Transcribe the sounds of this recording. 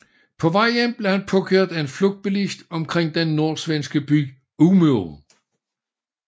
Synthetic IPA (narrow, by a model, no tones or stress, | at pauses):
pʰɒ̽ʋɑ̈ɪ̰enb̥le̝hænpʰɒ̽kʰøɐ̰d̥æe̝nflɔɡ̥d̥̚b̥elisd̥ɒ̽mkʰʁeŋ̰d̥enːo̝ɐ̰sʋensɡ̥əb̥yɡ̥ | umø